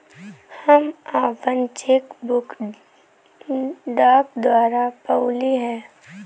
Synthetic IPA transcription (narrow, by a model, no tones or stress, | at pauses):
həmaːʋənt͡ʃekbʊk | ɖaːkd̪waːɾapəʊliɦɛ̃ː